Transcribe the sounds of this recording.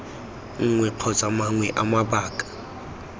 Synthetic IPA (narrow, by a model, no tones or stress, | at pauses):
ŋ̩ŋwɛq͡χʰɔt͡sʼamaŋwɛʔamabaːkʼḁ